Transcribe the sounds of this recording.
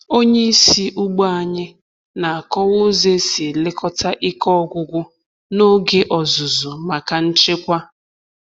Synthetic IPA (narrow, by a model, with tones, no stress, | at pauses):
o˦ɲe˦i˦si˦ʔʊ˦ɡ͡bɔ˦a˨ɲɪ˦ | na˨a˨kɔ˦wʊ˦ze˦si˨lɪ˦kɔ˦ta˦ʔi˦kɔ˦ɡʷʊ˦ɡʷʊ˦ | no˦ɡe˦ʔɔ˨zʊ˨zʊ˨ma˨ka˨n̩˦t͡ʃɪ˦kʷa˦